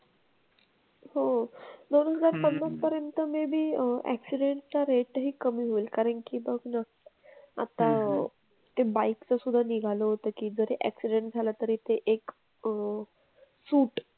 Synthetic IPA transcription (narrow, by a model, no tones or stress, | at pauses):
ɦod̪onɦəd͡zaɾpənːaspəɾjənt̪əmebʱiːæ̰ksiɖeɳʈt͡saɾeʈɦiːkəmiɦoilkaɾəɳkiːbəɡna | a̰t̪a | t̪ebaikt͡səsud̪ʱːaniɡʱaləɦot̪əːkiːd͡zəɾeʔæ̰ksiɖẽɳʈ̚d͡zʱalət̪əɾiːt̪eʔek | suːʈ